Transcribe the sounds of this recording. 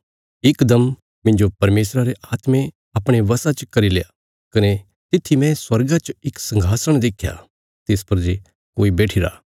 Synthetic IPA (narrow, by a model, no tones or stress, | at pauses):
ɪkd̪ɐm | mɪ̃nd͡ʒopɐɾmeːsɾaɾeʔaːt̪mẽ | ɐpɽ̃eʋɐsat͡ʃkɐɾileja | kɐne | t̪ɪt̪ʰːimɛ̃swɐɾɡat͡ʃɪksɐ̃ŋɡʱaːsəɽ̃d̪eːkʰja̰ | t̪ɪspɐɾd͡ʒe | koːibɛːʈʰiɾa̰ː